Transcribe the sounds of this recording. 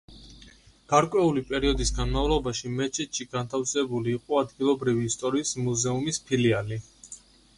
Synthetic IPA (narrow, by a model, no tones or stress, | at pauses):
ɡ̥aɾkʼwɛulipʼɛɾiɔd̪isɡanmavlˠɔbaʃimɛt͡ʃʰit̪ʃʰiɡ̥ant̪ʰafsɛbuliːqʼɔad̪ɡilˠɔbɾiviːst̪ʼɔɾiːsmuzɛumispʰiliali